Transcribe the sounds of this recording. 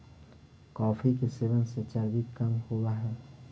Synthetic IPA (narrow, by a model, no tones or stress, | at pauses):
kɔːfik̬eseʋənset͡ʃəɾɡikɐmhowaɦɛː